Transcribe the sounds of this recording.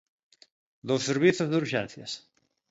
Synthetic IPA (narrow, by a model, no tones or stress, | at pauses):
d̪osːeɾβiθozðuɾʃḛ̃n̟θja̰s